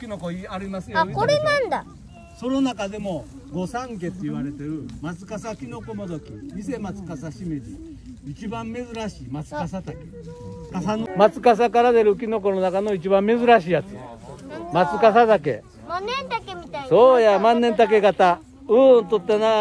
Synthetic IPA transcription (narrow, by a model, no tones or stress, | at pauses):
kʲinokoiaɾimasɨjokoɾenãnd̪a | sononakad̪e̞mo̞ | ɡo̞sãŋke̞t̪ːeiβaɾe̞t̪e̞ɾɯ̟mat͡sɨ̥kasakʲino̞komod̪okʲḭise̞mat͡sɨ̥kasaɕimeɾʲi | it͡ɕibãmːe̞zɨɾaɕiːmat͡sɨ̥kasat̪akekaamat͡sɨ̥kas̬akaɾad̪e̞ɾɯɯk̬ʲino̞k̬o̞nonakano̞it͡ɕibãmːe̞zɨɾaɕiːjat͡sɨ | mat͡sɨkasat̪ak̬e̞̰ | manːẽnt̪akemʲit̪aso̞ːjamãnːent̪̬ak̬e̞ɡat̪a | ɯt̪ot̪ːana